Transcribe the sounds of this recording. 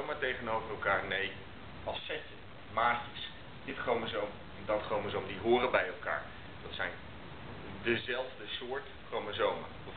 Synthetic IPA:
maɹtejχənowvərɛlˠkaːɹnej | ɑsɛtə | maːcəs | d̥ɪtχowməzowm | ɛndɑtχrowməzowmədiɦʊːrəbɛjɛlˠka̰ːɹ | d̥ɑtsɛjn | dəzɛlˠvdəsʊːɹt | χrowməzowma̰ | əv

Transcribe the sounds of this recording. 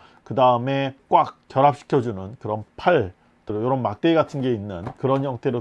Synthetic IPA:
kɯdaɯme̞k͈wak͈̚ːjʌɾap̚ɕ͈ʰi̥kʰjʌd͡ʑunɯnkɯɾʌnpʰaɭ | tjoɾʌnmak̚t͈eɡatʰɯnɡe̞inːɯnkɯɾʌnjʌŋtʰe̞ɾo

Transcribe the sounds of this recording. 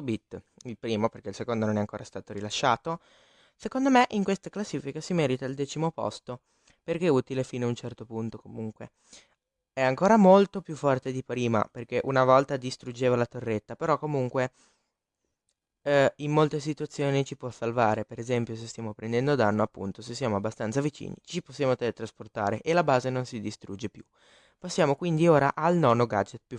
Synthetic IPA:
bit̪ː | ilpɾiːmoperk̟eilsekond̪ononɛaŋkoːɾast̪aːt̪oɾilaʃːaːt̪o | sekond̪omeʔiŋkwest̪aklasːiːfikasimɛːɾit̪ald̪ɛːt͡ʃimopɔ̰st̪o | perk̟eɛuːt̪ilefinaunt͡ʃɛrt̪opunt̪okomuŋkwe | ɛaŋkoːɾamolt̪opjufːɔrt̪ed̪ipɾiːma̰perk̟eʔunavɔlt̪ad̪ist̪ɾud͡ʒeːvalat̪orːet̪ːapeɾɔkːomuŋkwe | imːolt̪es̬it̪uat̪sːjoːnit͡ʃipwɔsːalvaːɾepeɾezɛmpjos̬est̪jaːmopɾɛnd̪ɛnd̪od̪anːoapːṵnt̪osesːjaːmoabːast̪ant̪savit͡ʃḭːnḭt͡ʃiposːjaːmot̪et̪ɾasport̪a̰ːɾeʔelabaːzenonsid̪ist̪ɾud͡ʒːepju | pasːjaːmokwind̪ioːɾa̰ʔalnɔːnoɡad͡ʒet̪̚pju

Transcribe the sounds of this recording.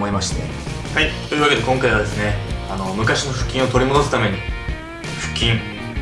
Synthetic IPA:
moimaɕi̥t̪e̞̰ | hait̪o̞jiːβake̞d̪e̞koŋkaiβad̪e̞sɨne̞ano̞mɯ̟kaɕino̞ɸɯ̟̥kʲːĩɰ̃o̞t̪o̞ɾʲimo̞d̪o̞sɨ̥t̪ame̞ɲ̟i | ɸɯ̟̥kʲːĩŋ

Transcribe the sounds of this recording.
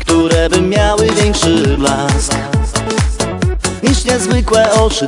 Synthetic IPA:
kt̪uɾɛbɘmʲjawɘvʲjɛŋkʂɛbla | ɲiʂɲɛzvɘkwɛɔt͡ʂɨ

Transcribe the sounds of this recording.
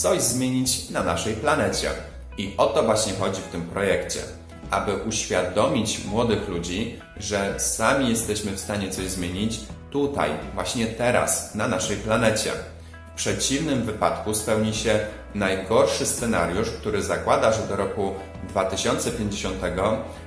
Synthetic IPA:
t̪sɔʑzmʲjeɲit͡ɕnanaʂɛjplanɛt͡ɕɛ̰ | iʔɔt̪ɔvwaɕɲɛxɔd͡ʑift̪ɘmpɾɔjɛkt͡ɕɛ̰ | ʔa̰bɘʔuɕfʲjad̪ɔmʲit͡ɕmwɔd̪ɘxlud͡ʑi | ʐɛsamʲijɛst̪ɛɕmɘfst̪aɲɛt̪sɔʑzmʲjeɲit͡ɕt̪ut̪a̰jvwaɕɲɛt̪ɛɾa̰snanaʂɛjplanɛt͡ɕɛ̰ | fpʂɛt͡ɕivnɘmvɘpat̪kuspɛwɲiɕɛ | najɡɔɾʂɘst̪sɛna̰ɾʲjuʂk̚t̪uɾɘzakwad̪aʐɛd̪ɔɾɔku | d̪vat̪ɘɕɔnt̪sɛpʲjeɲd͡ʑeɕɔnt̪ɛɡɔ

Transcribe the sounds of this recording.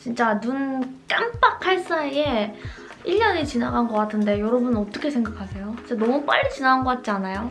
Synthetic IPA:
t͡ɕint͡ɕ͈anunk͈amp͈akʰaɭs͈aie | iʎːʌnet͡ɕinaɡannɡʌk͈atʰɯnde̞joɾʌbunʌt͈ʌkʰe̞sʰe̞ŋɡakʰasʰe̞jot͡ɕit͡ɕ͈anʌmup͈a̰ʎːit͡ɕinaɡanɡʌk͈at̚t͡ɕ͈ianajo

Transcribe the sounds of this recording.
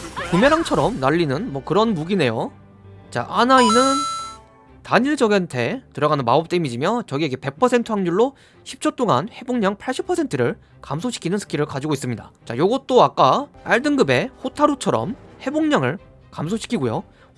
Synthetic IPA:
kumjeɾaŋt͡ɕʰʌɾʌmnaʎːinɯnmwʌkɯɾʌnmuɡine̞jo | t͡ɕa̰ʔanainɯn | taɲiɭd͡ʑʌɡantʰe̞tɯɾʌɣanɯnmaʌp̚t͈emid͡ʑimjʌt͡ɕʌɡieɡepe̞k̚pʰʌsʰe̞ntʰɯɦaŋɲuɭːo | ɕʰip̚t͡ɕʰot͈oŋa̰nhe̞boŋɲaŋpʰaɭɕ͈ʰipʰʌsʰe̞ntʰɯɾɯɭ | kamsʰoɕʰi̥kʰinɯnsʰɯ̥kʰiɾɯɭkad͡ʑiɡois͈ɯmɲida̰t͡ɕa̰joɡʌt̚t͈oak͈aaɭdɯŋɡɯbe̞ɸʰotʰaɾut͡ɕʰʌɾʌ̰mhe̞boŋɲaŋɯɭ | kams̬ʰoɕʰi̥kʰiɡojo

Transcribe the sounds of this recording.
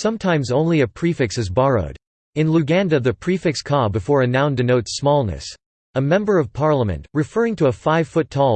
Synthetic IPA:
sʌ̃mtʰãɪ̃mzõʊ̃nliɨpʰɹ̥ifɨksɨzbɑɹoʊɾ | ɨ̃nlʉɡæ̃ndɨðɨpʰɹ̥ifɨkskʰɑbɨfɔɹɨnãʊ̃ndɨnoʊtsmɔlˠnɨ̰s | əmɛ̃mbə˞ʌv̥pʰɑɹlˠəmɨ̰̃nʔɹɨfɜ˞ɪ̃ŋtʰɨəfaɪv̥fʊtʰɔ

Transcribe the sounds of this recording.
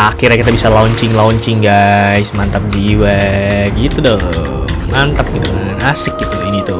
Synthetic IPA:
akɪrɲakit̪abisalaɔɲt͡ʃɪŋlaɔɲt͡ʃɪŋɡajsmant̪ap̚diwɛɡit̪udo | mant̪ap̚ɡit̪ṵaanasɪk̚ɡit̪ukainit̪u

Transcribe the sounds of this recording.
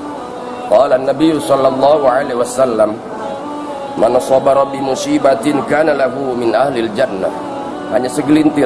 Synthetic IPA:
qɑːlanːabijusɑlːɑlˤːɑːɦuʕaleasalːam | mansˤɑbɑɾˤɑbɪmusiːbat̪ɪnkaːnalaɦumɪnʔahlɪald͡ʒanːa̰ | haɲasəɡlint̪ɪ

